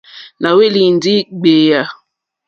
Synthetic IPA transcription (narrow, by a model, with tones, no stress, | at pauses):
na˨we˦li˨n˦di˦ɡ͡be˨ja˨